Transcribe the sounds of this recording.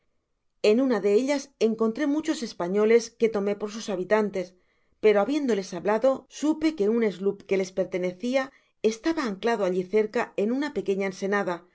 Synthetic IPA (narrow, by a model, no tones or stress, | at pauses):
e̞nunaðe̞eʎase̞ŋko̞nt̪ɾe̞mut͡ʃo̞se̞spaɲo̞le̞ske̞t̪o̞me̞po̞ɾs̬usaβ̞it̪ant̪e̞s | pe̞ɾo̞aβje̞nd̪o̞le̞saβlaðo̞supe̞ke̞une̞zlupke̞le̞spe̞ɾt̪e̞ne̞θia | e̞st̪aβaːŋklaðoaʎiθe̞ɾkae̞nunape̞ke̞ɲaense̞naða